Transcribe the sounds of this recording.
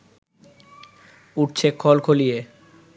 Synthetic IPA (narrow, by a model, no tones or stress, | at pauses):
uʈt͡ɕʰekʰɔlkʰolije